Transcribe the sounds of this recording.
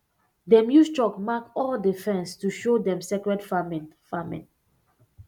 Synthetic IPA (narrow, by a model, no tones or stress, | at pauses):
dɛmjustɹɔkmakɔldifɛ̃nstuʃodɛ̃msɛkɹɛdfamnfamɛ̰̃n